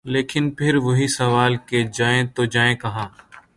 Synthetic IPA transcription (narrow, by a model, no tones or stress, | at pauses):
leːkʰɪnpʰɪɾʋɐɦisəʋaːlked͡ʒaːẽːt̪oːd͡ʒaːẽːkɐɦãː